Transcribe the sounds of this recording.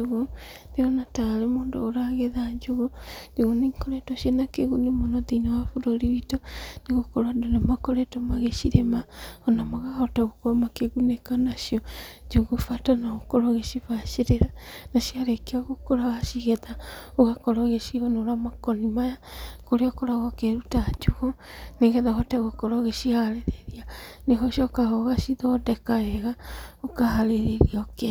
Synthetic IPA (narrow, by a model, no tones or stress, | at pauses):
oɣo | ndeonataːɾemoːndo̰ːɾaɣeðaɲd͡ʒoɣondeɣonikoɾetoʃiɔnakeɣunemonotinewafoɾoɾiβitoneɣokoɾadonemakoɾetomaɣeʃiɾemaɔnamaɣahotaɣokomakeɣunekanaʃiɔɲd͡ʒoɣofatanaokoɾoɣeʃifaʃeɾeɾanaʃiaɾɛkeaɣokoɾaɣaʃiɣɛðaoɣakɔɾɔɣeʃiɔnoɾamakɔnimajakoɾeɔkɔɾaɣɔkeɾutad͡ʒuɣoneɣɛðaɦɔtɛɣokɔɾɔɣeʃiaaɾeɾeɾianeɦɔʃiɔkaɣɔɣaʃiðɔdɛkaɣɛɣaokaɦaɾeɾeɾiɔke